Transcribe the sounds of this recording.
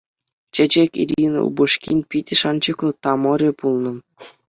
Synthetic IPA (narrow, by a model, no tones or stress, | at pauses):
t͡ɕĕd͡ʑekʲḭɾʲin̰ṵbuʂkʲḭnʲpʲitʲɘ̆ʂɑnt͡ɕɤ̆klˠɤ̆t̪ɑmŏɾʲepulˠnɤ̆